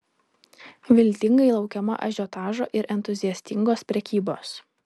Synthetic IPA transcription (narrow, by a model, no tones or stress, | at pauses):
ʋʲɪlʲt̪ʲɪŋɡɐɪlˠɒʊkʲɛmɐ̰ʔɐ̰ʒʲot̪ɑːʒo̰ːʔɪɾʔɛnt̪ʊzʲɪjɛsʲt̪ʲɪŋɡoːspʲɾʲɛkʲiːboːs